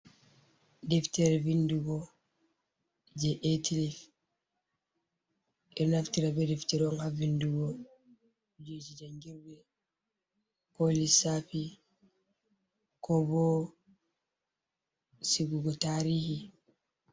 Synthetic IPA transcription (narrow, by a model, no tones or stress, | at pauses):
dɛftɛɾɛvinduɡɔ | d͡ʒɛʔetilif | ʔɛɾnaftiɾabɛdɛftɛɾɔŋhavinduɡɔ | d͡ʒed͡ʒid͡ʒaŋɡiɾbɛ | kolisafi | kɔbɔ | siɡuɡɔtaɾiːhi